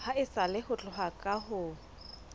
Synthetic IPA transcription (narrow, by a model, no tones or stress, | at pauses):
haɪsalɪhʊt͡ɬʼʊɦakʼahʊː